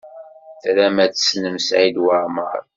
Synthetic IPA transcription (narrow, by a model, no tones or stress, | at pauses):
θɾæmæt͡sə̥snəmsʕid̪wəɾˤmə̰ɾˤ